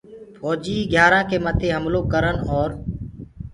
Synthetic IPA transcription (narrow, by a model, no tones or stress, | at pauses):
fɔːd͡ʒiːɡʱjaːɾãːkeːmət̪ʰeːɦəmloːkəɾənɔːɾ